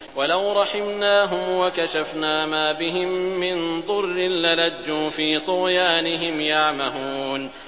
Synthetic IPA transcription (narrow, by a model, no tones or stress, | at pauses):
walawɾˤɑħɪmnaːɦʊmwakaʃafnaːmaːbɪɦɪmːɪnd̪ˤʊrːɪnlaladːuːfiːt̪ˤʊɣjaːnɪɦɪmjaʕmahuːn